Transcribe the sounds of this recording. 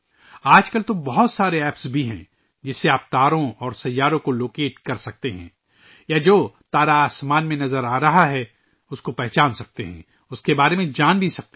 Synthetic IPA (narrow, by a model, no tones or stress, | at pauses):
aːd͡ʒkəlt̪obɐɦʊt̪saːɾeɛːpsbʱiɦɛ̰̃ː | d͡ʒɪsːeaːp̚t̪aːɾõɔːɾsɐjːaːɾõkoloːkeːʈkɐɾsɐk̚t̪eɦɛ̰̃ː | jad͡ʒoːt̪aːɾaaːsmaːnmẽnɐzəɾaːɾɐɦaɦɛ | ʊskopɛɦt͡ʃaːnsɐk̚t̪ḛɦɛ̰̃ | ʊskebaːɾemẽd͡ʒaːnbʱisɐk̚t̪e